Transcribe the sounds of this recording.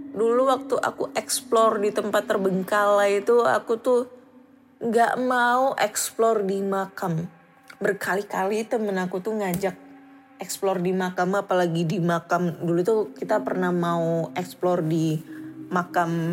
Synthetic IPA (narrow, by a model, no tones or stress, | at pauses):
duluwak̚t̪uʔa̰kuʔɛksplɔrdit̪əmpat̪ːərbəŋkalait̪ua̰kut̪u | ŋɡa̰ʔmauʔɛksplɔrdimakam | bərkʰalikalit̪əmənakut̪uhŋad͡ʒak̚ | ɛksplɔrdimakamapalaɡidimakamdulut̪ukit̪apərnahmauɛksplɔrdimakam